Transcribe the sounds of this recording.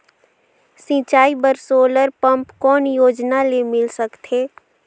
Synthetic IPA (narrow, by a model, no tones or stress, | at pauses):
sĩːt͡ʃaːibəɾsoːləɾpə̃mpkɔːnjoːd͡ʒnalemɪlsəkt̪ʰeː